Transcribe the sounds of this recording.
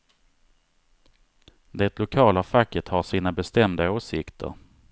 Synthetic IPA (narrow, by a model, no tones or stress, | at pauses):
d̪ɛt̪lʊkʰɑːlafakːət̪haʂiːnabɛst̪ɛmd̪aoːsɪkt̪ʰə̰ɾ